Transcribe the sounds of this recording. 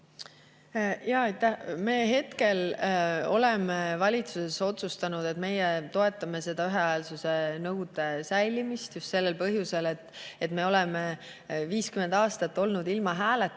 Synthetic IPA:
jɑɑjt̪ːæhmeːɦe̞t̪ke̞lo̞le̞mevɑlʲit̪suse̞so̞t̪sust̪ɑnud̪e̞t̪me̞jet̪o̞e̞t̪ːˑɑme̞se̞d̪̥ɑyɦeɑelsuse̞nɤwd̪̥e̞sæjlimist̪just̪se̞lːelpɤɦjuse̞le̞t̪ːe̞t̪me̞o̞lɛme | viːskymend̪̥ɑːst̪ɑt̪ːˑo̞lnud̪ilmɑɦæːlet̪ː

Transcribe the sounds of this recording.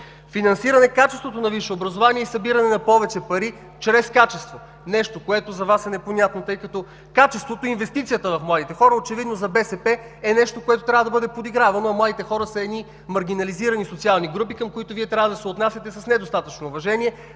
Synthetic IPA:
finɐnsiɾɐnɛkat͡ʃɛst̪vot̪onɐviʃɛobɾɐzovaniɛisɐbiɾɐnɛnɐpɔvɛt͡ʃɛpɐɾi | t͡ʃɾɛskat͡ʃɛst̪vo | nɛʃt̪okoɛt̪ozɐvasɛnɛponʲat̪not̪ɤjkɐt̪ɔ | kat͡ʃɛst̪vot̪oinvɛst̪it̪sijət̪əvɐfmlˠad̪it̪ɛxɔɾəot͡ʃɛvid̪nozɐbɛsɛpɛ | ɛnɛʃt̪okoɛt̪ot̪ɾʲavəd̪əbɤd̪ɛpod̪iɡɾavɐnoɐmlˠad̪it̪ɛxɔɾəsɐɛd̪ni | mɐɾɡ̟inɐliziɾɐnisot̪sialˠniɡɾup̬ikɐmkoit̪oviɛt̪ɾʲavəd̪ɐsɛot̪nasʲɐt̪ɛsɐsnɛd̪ost̪at̪ət͡ʃnoːvɐʒɛniɛ

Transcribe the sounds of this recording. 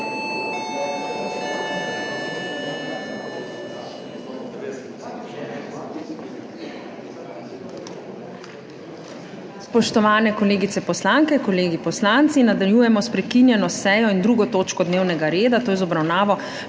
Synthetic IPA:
spɔʃt̪ɔʋaːnɛkɔleːɡit̪sɛpɔslaŋkɛkɔleːɡipɔslant̪sinad̪aljuːjɛmɔspɾɛkinjɛnɔsɛːjɔind̪ɾuːɡɔt̪oːt͡ʃkɔd̪neːwnɛɡaɾeːd̪at̪oːjɛzɔbɾawnaːʋɔ

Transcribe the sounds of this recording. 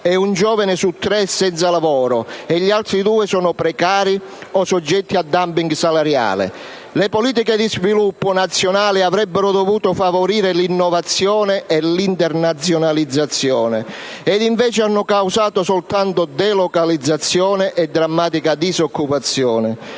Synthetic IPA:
ɛund͡ʒɔːvanɪsut̪ːɾɛsɛnt̪salavɔːɾʊɛʎːialt̪ɾid̪uːɪsɔːnʊpɾɛkaːɾi | ɔsɔd͡ʒːɛt̪ːiad̪ːampiŋɡsalaɾja̰ːlɪ̰ | lepoliːt̪̬iked̪izvilupːʊnat̪sːjonaːliavɾɛbːɪɾʊd̪ovuːt̪ʊfavoɾiːɾɪlinːɔvat̪sːjɔːnɪʔɛlint̪ɛrnat̪sːjonalid̪zːat̪sːjɔːnɪ | ɛd̪iɱvɛːt͡ʃɪanːʊkawsaːt̪ʊsɔlt̪ant̪ʊd̪ɛlɔkalid̪zːat̪sːjɔːnɪʔɛd̪ːɾamːaːt̪ikad̪izokːupat̪sːjɔːnɪ

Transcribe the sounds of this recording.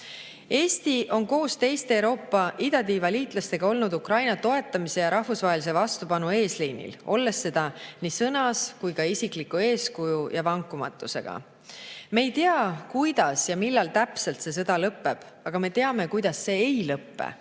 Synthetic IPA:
e̞ːst̪iʔo̞nko̞ːst̪e̞jst̪eewɾo̞ːpːɑʔid̪̥ɑd̪ivɑliːt̪ˑlɑst̪e̞ɡ̥ɑo̞lnud̪ukrɑjnɑt̪o̞e̞t̪ːˑɑmise̞jɑɾʔɑhvusvɑɦelis̬e̞vɑst̪upɑnue̞ːslijnḭlo̞lːe̞sːe̞d̪̥ɑnisɤnɑskujkɑisiklikːue̞ːskujujʔɑvɑŋkːˑumɑ̰t̪ːˑuse̞̰ɡ̥ɑ̰ | me̞jt̪eɑkujd̪̥ɑsjɑmilːɑlt̪æpse̞lt̪se̞s̬ɤd̪̥ɑlɤpːˑe̞b̥ | ɑɡ̥ɑme̞t̪e̞ɑme̞kujd̪̥ɑsːe̞ːejlɤpːḛ

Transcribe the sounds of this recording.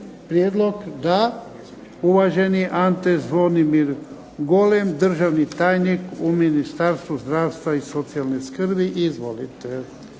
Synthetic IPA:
pɾijed̪loɡd̪a | uʋaʒeniʔant̪ezʋonimiɾ | ɡolemd̪r̩ʒaʋnit̪aːjnikuminist̪aɾst̪ʋuzd̪ɾaːwst̪ʋaisot̪sialneskrbiʔizʋolit̪e

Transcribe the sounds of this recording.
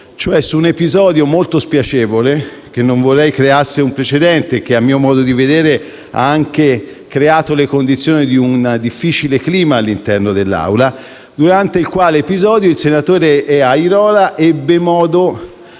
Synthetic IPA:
t͡ʃoɛsuːnepizɔːd̪jomolt̪ospjat͡ʃɛːvolek̟enːoɱvorːɛjkɾeaseumpɾet͡ʃed̪ɛnt̪ek̟eamːiːomɔːd̪od̪ived̪eːɾe | a̰aŋk̟e | kɾeaːt̪olekond̪it̪sːjoːnid̪iund̪ifːiːt͡ʃilekliːmaːlːint̪ɛrnod̪elːa̰wla | d̪uɾant̪eilkwaːleːpizɔːd̪joilsenat̪oːɾeɛaiɾɔːlaʔɛbːemɔːd̪o

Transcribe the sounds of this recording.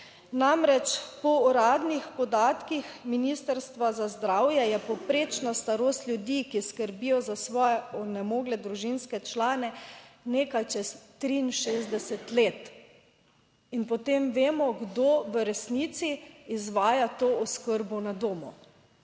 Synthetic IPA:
namɾɛt͡ʃpɔɔɾaːd̪nixpɔd̪aːt̪kixminist̪ɛɾst̪ʋazazd̪ɾaːwjɛjɛpɔpɾeːt͡ʃnast̪aɾoːst̪lʲjud̪ikiskəɾbijɔzasʋɔːjɛɔnɛmoːɡlɛd̪ɾuʒinskɛt͡ʃlaːnɛneːkajt͡ʃɛst̪ɾiːnʃeːzd̪ɛsɛt̪leːt̪ | inpɔt̪emʋeːmɔɡd̪oʋəɾɛsnit̪siːzʋaːjat̪oːɔskəɾbɔnad̪oːmɔ̰

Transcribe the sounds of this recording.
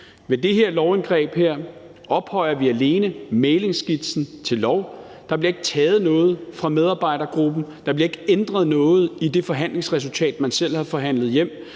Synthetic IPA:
ʋe̝d̥e̝ɦe̝ɐ̰lɒʊenɡ̥ʁɛ̰ːb̥heɐ̰ | ɒ̽b̥hɒ̽ɪ̰ɐʋiæle̝ːnəmeɪle̝ŋsɡ̥id̥sn̩t͡sʰe̝lːɒʊ | d̥ɑ̈b̥liɐe̝ɡ̥ət͡sʰɛːð̞̩ˠnɔ̽ːð̩ˠfʁɑ̈með̞ˠɑ̈ːb̥ɑ̈ɪ̰ɾɐɡ̥ʁub̥n̩d̥ɑ̈b̥liɐe̝ɡ̥end̥ʁɐð̞ˠnɔ̽ːð̩ˠid̥e̝fɒ̽ɦæn̰le̝ŋsʁɛs̬ult͡sʰɛ̰ːd̥mænsel̰hɑfɒ̽ɦæn̰lð̩ˠjem̰

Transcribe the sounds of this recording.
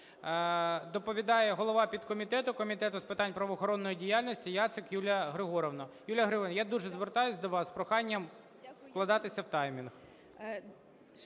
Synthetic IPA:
d̪ɔpɔʋʲid̪ɑjɛɦɔlˠɔʋɑpʲid̪kɔmʲit̪ɛt̪ʊkɔmʲit̪ɛt̪ʊspɪt̪ɑnʲpɾɐʋɔːxɔɾɔnːɔjidʲijalʲnʲɔsʲtʲijat̪sɪkjulʲɐɦɾɪɦɔɾɔʋnɔjulʲjɐɦɾɪɔɾnjad̪uʒɛzʋert̪ɑjʊsʲd̪ɔʋɑspɾɔxɑnʲːɐm | fklˠɐd̪ɑt̪ɪsʲɐwt̪ɑjmʲinx

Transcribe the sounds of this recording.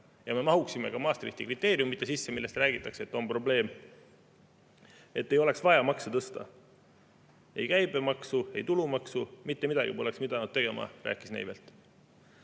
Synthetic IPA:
jɑme̞mɑɦuksime̞̰kɑmɑːst̪riht̪ikrit̪ˑːe̞ːɾjumːit̪ːˑe̞sisːe̞milːe̞st̪ræːɡ̥it̪ːˑɑkset̪ːˑo̞mpro̞ble̞ːm | et̪ːe̞jo̞leksvɑjɑmɑkset̪ɤst̪ɑ | e̞jkæjbe̞mɑksue̞jt̪ulumɑksumit̪ːemid̪ɑɡ̥ipoleksmid̪ɑnud̪̚t̪e̞ɡ̥e̞mɑ̰rʔæ̰ːkːˑisnḛjvelt̪ːˑ

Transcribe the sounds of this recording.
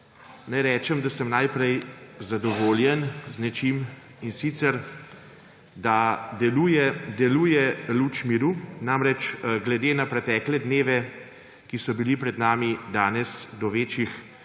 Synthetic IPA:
nɛjɾɛːt͡ʃɛmd̪asəmnajpɾɛjzad̪ɔʋoːljɛnznɛt͡ʃim | insit̪sɛɾ | d̪ad̪ɛlujɛd̪ɛluːjɛlut͡ʃmiɾunaːmɾɛt͡ʃɡlɛd̪eːnapɾɛt̪ɛːklɛd̪neːʋɛ | kisɔbilipɾɛd̪naːmid̪aːnɛsd̪ɔʋeːt͡ʃix

